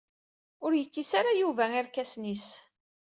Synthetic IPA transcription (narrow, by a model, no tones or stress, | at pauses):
ʊɾjəkːisaɾajuvæaɾkæsnis